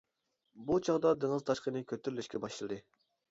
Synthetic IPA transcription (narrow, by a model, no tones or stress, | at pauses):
but͡ʃʰɑʁd̪ɑd̪eŋɨzt̪ʰɑʃqənɨkʲʰøt̪ʰːyɾylʲyʃkʲɛbɑʃɨlˠɨd̪ɨ